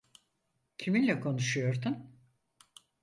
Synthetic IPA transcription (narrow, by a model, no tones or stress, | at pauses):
cʰiminlʲɛkʰo̞nuʃujo̞ɾd̪un